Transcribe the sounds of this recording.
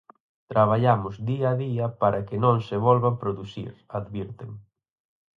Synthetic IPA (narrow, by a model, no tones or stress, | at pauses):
t̪ɾaβ̞aʎamʊzðiaðiɐpaɾʔakɪnõŋseβɔlβapɾoðusḭɾaðβiɾt̪em